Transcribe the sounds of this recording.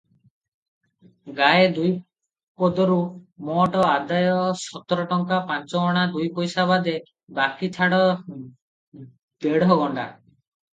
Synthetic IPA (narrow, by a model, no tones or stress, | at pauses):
ɡaed̪uj | pɔd̪ɔɾumɔʈɔad̪ajɔsɔt̪ɔɾɔʈɔŋkapant͡ʃɔːɽ̃ad̪ujpojsaβad̪e | bakitʰaɽɔ | d̪̥eɽɔɡɔɳɖa̰